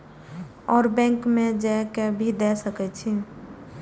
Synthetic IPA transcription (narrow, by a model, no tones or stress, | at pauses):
ɔːɾbɛ̃ŋkmẽd͡ʒɛkebʱid̪ɛsəkɛt͡ʃʰi